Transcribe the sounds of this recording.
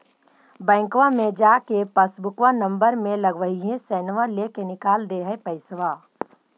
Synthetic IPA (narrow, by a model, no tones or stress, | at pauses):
bɛ̃ːŋkʋamẽd͡ʒaːkepəsbʊkʋanə̃mbəɾmẽləɡʋəɦiɦẽsɛːnʋaleːkenɪkaːld̪eɦɛpəɪsʋaː